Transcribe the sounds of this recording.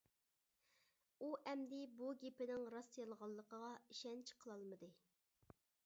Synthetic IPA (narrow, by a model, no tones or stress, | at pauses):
uʔɛmd̪ɪbuɡʲepɪnɪŋɾɑst̪ijɑlˠəʁɑlˠːəqʰəʁɑiʃɛnt͡ʃʰqʰəlˠɑlˠmɨd̪ɨ